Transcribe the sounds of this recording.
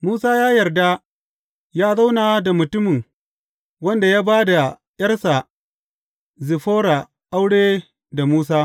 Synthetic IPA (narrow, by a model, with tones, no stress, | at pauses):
muː˦saː˦jaː˦jɐ˨rda˦ | jaː˦za˦wna˨da˨mʊ˨tʊ˦mɪ˨ŋ | wɐ˦nda˨jaː˦baː˦da˨ | jɐ˦rsa˨ | zɪ˨ɸoː˦ɾa˨ | ʔa˦wɽeː˦ | da˨muː˦s̬aː˦